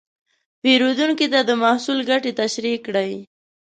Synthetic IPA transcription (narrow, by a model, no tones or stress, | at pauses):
peɾod̪uŋkit̪ad̪əmahsulɡaʈit̪aʃɾikːɽaj